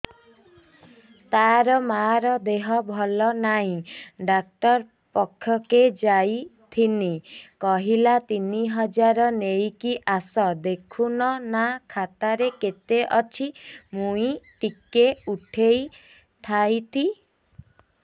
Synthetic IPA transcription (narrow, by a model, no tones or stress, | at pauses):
t̪aɾɔmaɾɔd̪eɦɔbʱɔlɔnaɦĩɖak̚ʈɔɾ | pɔkʰːjɔked͡ʒajt̪ʰinikɔɦilat̪iniɦɔd͡ʒaɾɔnejkiʔasɔd̪ekʰunɔnakʰat̪aɾeket̪eʔɔt͡ʃʰimuĩʈikeuʈʰej | t̪ʰajt̪ʰi